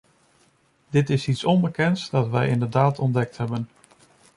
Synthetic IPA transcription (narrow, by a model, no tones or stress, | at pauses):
dɪtɪsitsɔnbəkɛntsdɑtʋɛjɪndəɹdaːtʰɔndɛk̚tɦɛbən